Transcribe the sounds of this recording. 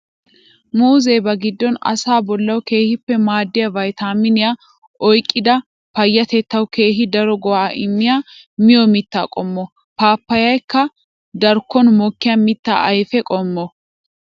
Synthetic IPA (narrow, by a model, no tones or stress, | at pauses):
muːzeːbɐɡɪd̪ːɔnɐ̰saːbɔlːɐwke̞ːhɪpːɛmaːd̪ːɪjɐvɐjt̪aːmɪnɪja | ʔɔjkʼːɪd̪ɐ | pɐjːɐt̪ɛt̪ːɐwke̞ːɦɪd̪ɐɾɔɡɔwaːʔɪmːɪjaː | mɪjɔmɪt̪ːa̰ːkʼɔmːɔ | paːpːɐjɐjkːɐ | d̪ɐɾkːɔnmɔkːɪjamɪt̪ːa̰ːɐjfɛkʼɔmːɔ